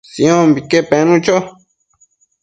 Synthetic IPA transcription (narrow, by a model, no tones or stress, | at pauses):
sĩõmbikepenũt͡ʃo